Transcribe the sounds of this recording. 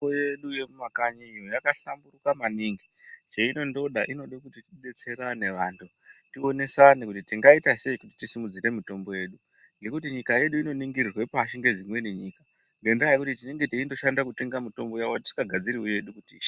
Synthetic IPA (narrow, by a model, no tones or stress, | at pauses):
ojeɗuje̞mumakaɲiijojakaɬamburukamaniŋɡi | t͡ʃeino̞ndo̞ɗaʔino̞ɗokutitiɓe̞t͡se̞ɾane̞ʋaːntʰu | tio̞ne̞sanikutitiŋɡaitase̞ikuti̥tisimud͡ziɾe̞mito̞mbo̞je̞ːɗu | ŋɡe̞kutiɲikaje̞ɗuino̞niŋɡirirwe̞paʃiŋɡe̞d͡zimwe̞neɲiːka | ŋɡe̞ndiajikutitine̞ŋɡe̞tiindo̞ʃandakute̞ŋɡamito̞mbo̞jawoii̥kaɡʱad͡ziɾiweje̞ɗukutiːʃḁ